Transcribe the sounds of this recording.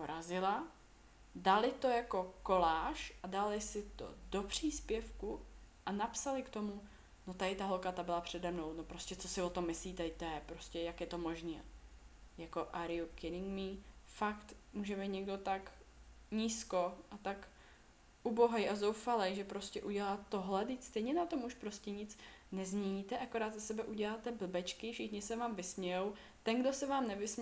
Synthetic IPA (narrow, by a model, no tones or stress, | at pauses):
poɾazɪla | dalɪt̪o̞jako̞ko̞laːʃʔadalɪsɪt̪o̞̰do̞pr̝̥iːspjɛfkuʔanapsalɪkt̪o̞mu | no̞t̪adɪt̪aɦolkat̪abɪlapr̝̥ɛdɛmno̞wno̞pɾo̞scɛt͡so̞sɪvot̪o̞mːɪsliːt̪ɛt̪ɛjɛpɾoscɛjakjɛt̪o̞mo̞ʒniːa | jako̞ʔaɾɪjukɪnɪŋɡmifakt̪muːʒɛbɛjt̪ɲɛɡdo̞t̪ak | ɲiːsko̞ʔat̪ak | ʔuboɦɛjʔazowfalɛjʒɛpɾo̞scʲɛʔuɟɛlaːt̪oɦlɛt̪ɪcst̪ɛjɲɛnat̪o̞muʃpɾo̞scɛɲɪt͡snɛzmɲɛɲiːt̪ɛʔakoɾaːt̪zasɛbɛʔuɟɛlaːt̪ɛbl̩bɛt͡ʃkɪfʃɪxɲɪsɛvaːmvɪsmɲɛjow | t̪ɛnɡdo̞sɛvaːmnɛvɪsm